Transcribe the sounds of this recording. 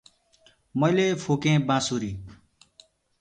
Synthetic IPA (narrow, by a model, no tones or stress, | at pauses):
mʌjlepʰoːkẽːbãːsuːɾiː